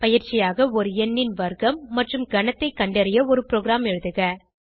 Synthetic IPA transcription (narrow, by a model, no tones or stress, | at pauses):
pɐjɪɾt͡ʃɪjaːɣɐɔɾɯɛnːɪnʋɐɾɣɐmːɐʈrɯmɡɐnɐt̪ːɐɪkːɐɳɖɐɾɪjɐɔɾɯpɾoːɡɪɾaːmɛɻɯðɯɣɐ